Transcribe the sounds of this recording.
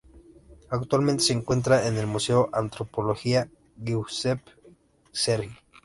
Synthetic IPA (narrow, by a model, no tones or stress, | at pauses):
akt̪walment̪e̞seŋkwe̞nt̪ɾaenelmuseoʔant̪ɾopoloxia | ɣiusep | seɾxi